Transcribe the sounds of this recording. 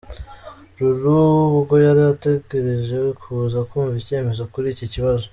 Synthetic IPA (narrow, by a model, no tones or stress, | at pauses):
ɾuɾuuɡo̞jaɾijate̞ɡeɾiʒe̞wkʰuzakuːɱvice̞ːme̞zo̞kuɾiːciciβazo